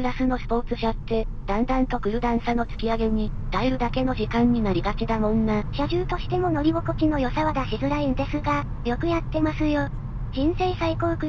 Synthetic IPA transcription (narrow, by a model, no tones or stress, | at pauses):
pɯ̟ɾasɨno̞sɨ̥po̞ːt͡sɨɕat̪ːe̞d̪̥ãnd̪ãnt̪o̞kɯ̟ɯ̟d̪ãɰ̃sano̞t͡sɨ̥kʲiaɡe̞ɲ̟id̪̥aiɾɯ̟d̪ake̞no̞ʑikãɲ̟ːinaɾʲiɡat͡ɕid̪amõ̞nːaɕaʑɨːt̪o̞ɕi̥t̪e̞mo̞no̞ɾʲiɡo̞kokʲino̞jo̞saβad̪aɕizɨɾaĩnd̪e̞sɨɡa | jo̞kɯ̟jat̪ːe̞masɨjo̞ | ʑ̥ĩɰ̃seisaiko̞ːɯkɯ̟